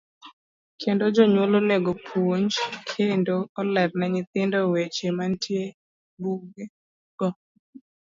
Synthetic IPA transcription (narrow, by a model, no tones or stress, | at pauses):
kʰendod͡ʒɔɲwoloneɡopʰoɲd͡ʒkʰendoɔlɛɾnɛɲɪt̪ɪndɔwet͡ʃemantʰje | buɡe | ɡ̥ɔ